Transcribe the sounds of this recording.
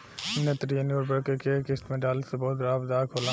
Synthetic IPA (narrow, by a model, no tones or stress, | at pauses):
nɐt̪ɾijənoːɾbɐɽkekekɪst̪mẽɖaːlsebɔːt̪ɾaːbd̪aːkʰɦoːla